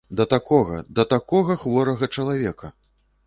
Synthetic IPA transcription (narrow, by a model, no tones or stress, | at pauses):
d̪ɐt̪akɔɣɐ̰d̪ɐt̪akɔɣɐxvɔɾɐɣɐt͡ʂɐlˠavʲɛkɐ